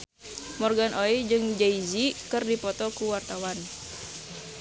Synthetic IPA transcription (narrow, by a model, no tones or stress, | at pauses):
mɔrɡanʔoid͡ʒɨŋd͡ʒaizikɨrdipɔt̪ɔkuwart̪awan